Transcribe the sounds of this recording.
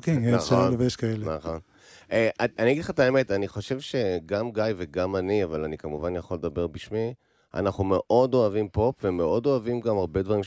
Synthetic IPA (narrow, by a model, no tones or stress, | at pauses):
okeenaχseoloveʃkaelenaχo̞n | ʔeʔaaniaɡid̪χat̪aeme̞t̪aniχo̞ʃe̞vʃe̞ɡamɡajveɡamaniavalanikamuvanjaχo̞led̪abe̞ʁbiʃmi | a̰naχume̞ʔo̞do̞avimpo̞pvemeʔo̞do̞avimɡamaʁbe̞d̪vaʁimʃ